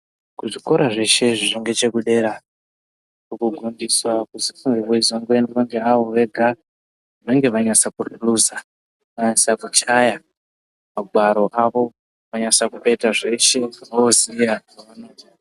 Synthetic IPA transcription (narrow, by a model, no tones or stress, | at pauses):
kuʐiko̞ɾaʐe̞ʃe̞ʐiʐiŋɡe̞t͡ʃe̞kuɗe̞ɾa | kukuɡʱundiswakuzifuŋɡiweizoŋɡwendʋaŋɡe̞aʋo̞ʋe̞ɡʱa | ʋaŋɡe̞ʋaɲasakuruluza | ʋaɲasakut͡ʃaja | maɡʱwaɾo̞ʔaʋo̞ | ʋaɲasakupe̞taʐe̞ʃe̞inoozijakaʋano̞ːti̥